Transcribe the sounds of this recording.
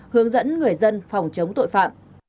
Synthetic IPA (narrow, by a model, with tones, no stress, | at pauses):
hɨ˨˦əŋzə̰˧˥nŋɨ˨˩əjzə˧nfɑ˨˩wŋ͡mt͡ɕə˨˦wŋ͡mt̪o̰˧˨jfa̰ː˧˨m